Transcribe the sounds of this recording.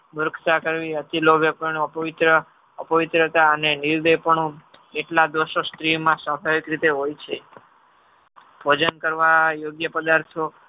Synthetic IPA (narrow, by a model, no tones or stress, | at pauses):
mʊɾəkʰt̪akəɾʋiət̪ilobʱjəpəɳpəʋɪt̪ɾə | əpəʋɪt̪ɾət̪aəneniɾd̪ejpəɳũeʈlad̪ʋəʃost̪ɾimãsəbʱaʋikɾit̪eɦojt͡ʃʰe | bʱod͡ʒənkəɾʋajoɡjəpəd̪aɾt̪ʰo